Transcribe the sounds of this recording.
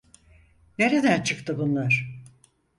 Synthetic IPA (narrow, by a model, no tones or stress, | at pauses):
ne̞ɾed̪ænt͡ʃʰɯkt̪ɯbunlˠaɾ̥